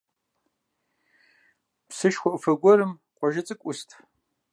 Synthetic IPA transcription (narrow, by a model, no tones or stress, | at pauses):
psɨʃxʷɔʔfɐɡʷɔɾɨmqʷʼɔʒɐt͡sʼɨkʷʼʊstʰ